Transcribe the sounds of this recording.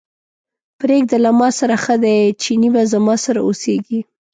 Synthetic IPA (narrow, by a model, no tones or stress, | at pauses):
pɾeɡ̚d̪alamɑsaɾaxəd̪ajt͡ʃinibazamɑsaɾa̰oseɡi